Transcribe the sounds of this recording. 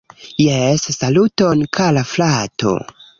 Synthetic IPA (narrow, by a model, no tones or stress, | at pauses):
jesːaluto̞nkʰalaflato̰